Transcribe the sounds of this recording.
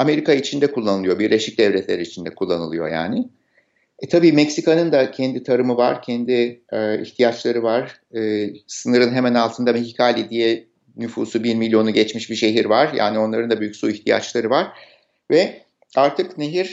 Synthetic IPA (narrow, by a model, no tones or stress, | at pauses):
ame̞ɾikait͡ʃʰind̪ɛkʰulˠːanɯlˠɯjo̞biɾlʲeʃic̚d̪ɛvlʲɛt̪ʰlʲeɾiit͡ʃʰind̪ɛkʰulˠːanɯlˠɯjo̞̰ja̰ːnɪ | t̪ʰabiːmɛcsikanɯnd̪acʰɛnd̪it̪ʰaɾɯmɯvaɾ̥cʰɛnd̪iḭçt̪ʰijat͡ʃlˠaɾɯvaɾ̥ː | sɯnɯɾɯnɦe̞mænalˠt̪ʰɯnd̪amehikʰaːlʲid̪ijɛ | nyfuːsubiɾmilʲːjo̞nuɟɛt͡ʃmiʃbiʃe̞ɦiɾvaɾ̥ja̰ːnio̞nlˠaɾɯnd̪abyjycsuiçt̪ʰija̰t͡ʃlˠaɾɯvaɾ̥ | vɛ | aɾt̪ʰɯkneɦiɾ̥